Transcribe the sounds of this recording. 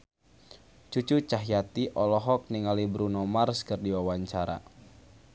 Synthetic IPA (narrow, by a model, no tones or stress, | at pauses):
t͡ʃut͡ʃut͡ʃaɦjat̪iʔɔlɔɦɔk̚niŋalibɾunɔmarskɨrdiwawaɲt͡ʃaɾa̰